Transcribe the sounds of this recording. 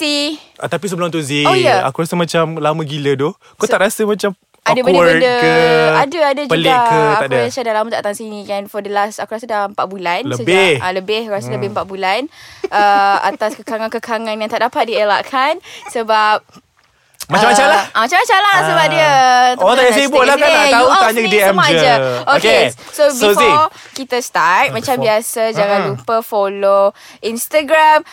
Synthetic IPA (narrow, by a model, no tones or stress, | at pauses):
t̪iʔat̪apis̬əbəlʊŋt̪uziojaa̰kuɾasəmãt͡ʃamlamə̃ɡilədo | kot̪aʔɾasəmãt͡ʃam | adəbəndbədəkəadəadəd͡ʒpəlikətak̪aaɾasadalamət̪aʔt̪aŋsinikanfɔdəlasakuɾasədampaʔbulanləsəbɪaləbɪhrasələbɪhmpaʔbulanəa̰t̪askəkaŋankəkʰaŋanjaŋt̪aʔdapat̪̚diəlaʔkʰansəbap̚ | maamat͡ʃamlamat͡ʃamat͡ʃamlasəbap̚diət̪ot̪aasibʊlakkanat̪aut̪aɲadiɛmpad͡ʒəokesosbiosfi | kit̪əst̪at̚mãt͡ʃambiasəd͡ʒaŋãnlupəfolo | inst̪aɡɾam